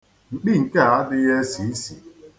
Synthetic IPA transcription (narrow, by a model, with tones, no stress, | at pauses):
ŋ͡m̩˨k͡pi˦˨ŋ̩˨ke˦˨a˦dɪ˦je˦si˨˦i˦sḭ˨